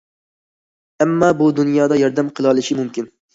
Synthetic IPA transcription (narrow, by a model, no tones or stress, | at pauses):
ɛmːɑːbud̪unjɑːd̪ɑjɑɾd̪ɛmqʰəlˠɑlˠɪʃimumkʲɪn